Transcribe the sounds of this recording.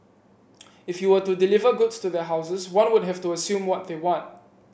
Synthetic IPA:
ɪfjuwətudilivəɡʊtstuðɛɦaʊsəswãnwʊd̚ɦɛftuəsjũmwɔt̚ðewɔ̃nt̚

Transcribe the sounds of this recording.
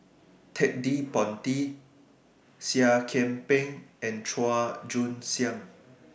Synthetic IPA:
tʰɛk̚dipɔ̃nti | siakʰɛ̃mpɛ̃ŋɛ̃ntʰɹɔad͡ʒũnsjãŋ

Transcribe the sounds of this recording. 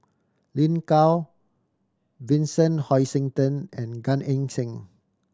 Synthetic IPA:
lĩnkaw | vĩnsə̃nhɔjsĩŋtə̃nɛ̃nɡãnɛ̃ŋsĩŋ

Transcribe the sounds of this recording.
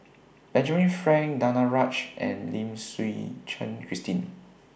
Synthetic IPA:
b̥ɛ̃nd͡ʒəməɹifɹɛ̃ŋkdanaɹat͡ʃʔɛ̰̃nlĩmswit͡ʃʰə̰̃nkʰɹistĩn

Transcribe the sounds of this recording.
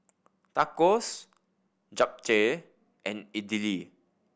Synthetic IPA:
takɔs | d͡ʒap̚t͡ʃe | ʔɛ̃nidili

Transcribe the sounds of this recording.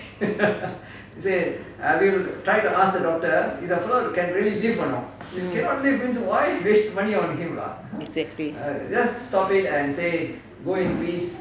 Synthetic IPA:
se | awiltɾaɪʈuʔask̚d̪ədɔk̚ʈəisəfɛlokɛ̃nɾiəlilivʌ̃nɔ̰fjukɛnɔʈlivĩnswaɪʋeʃd̪əmʌniɔ̃nɦĩma̰ | lid͡ʒɐsstɔpɪʈɛ̃nseː | ɡoːɪ̃nupiːs

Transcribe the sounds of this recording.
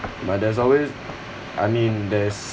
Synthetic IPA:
bat̚dɛs̬ɔlwez | ʔajmĩndɛs

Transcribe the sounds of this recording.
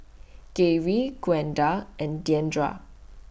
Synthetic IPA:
keɹiɡ̥wɛ̃ndaɛ̃ndiɛ̃ndɹa̰

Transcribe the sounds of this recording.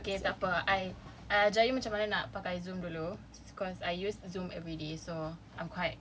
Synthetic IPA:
okesapəaj | ad͡ʒajumat͡ʃãmanənaʔpakajzũmdulu | bikɔsajjuszũmɛvɹideso | ãjmkʰwajt̚

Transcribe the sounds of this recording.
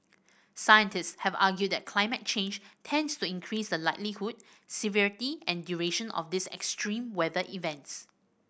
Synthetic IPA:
sajə̃ntɪstshɛvaɡjud̚dɛt̚kʰlaɪmɛt̚t͡ʃẽnd͡ʒtʰɛ̃ndstuĩnkʰɹisdəlaɪtlihud̚ | siviɹitiɛ̃ndjuɹeʃə̃nɔ̰fdɪsɛ̰kstʰɹĩmwɛðəʔivɛ̃nts

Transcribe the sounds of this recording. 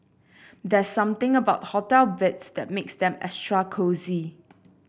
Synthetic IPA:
d̪ɛsːãmt̪ɪ̃ŋəbaʊt̚hɔtɛlvɪtsd̪ɛt̚meksd̪ɛ̃mɛ̰stɹakʰozi

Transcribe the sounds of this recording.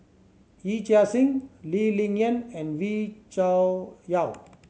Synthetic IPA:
it͡ʃasĩŋlilĩŋjə̃nɛ̃nwit͡ʃajaw

